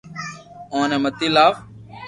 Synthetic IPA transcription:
õːnẽːmət̪iːlaːf

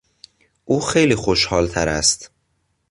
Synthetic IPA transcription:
ʔuːxejliːxoʃhɒːlt̪ʰæɾæ̰st̪

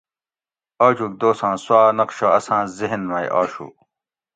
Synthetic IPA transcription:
aːt͡ɕuːk̚d̪oːsãːswaːnɐqɕoɐsãːziɦnmaj̰ʔaːɕṵː

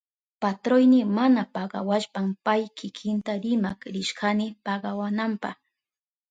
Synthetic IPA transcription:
pat̪ɾojnɪmanapɑɢɑ̰waʃpampajkɪkʰɪnt̪aɾɪmakɾɪʃɢɑnɪpɑɢɑwanampɑ̰χ

